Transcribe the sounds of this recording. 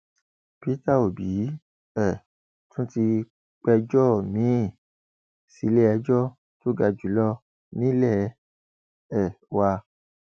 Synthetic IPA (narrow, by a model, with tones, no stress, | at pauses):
pi˦ta˦˨o˨bi˨˦ | ɛ˦˨ | tũ˦ti˧ | k͡pɛ˧d͡ʒɔ˦˨mĩ˨˦˨ | si˨˦le˦ɛ˧d͡ʒɔ˦ | to˦ɡa˧d͡ʒu˨˦lɔ˦ | nĩ˨˦lɛ˦˨˦ | ɛ˦˨ | wa˧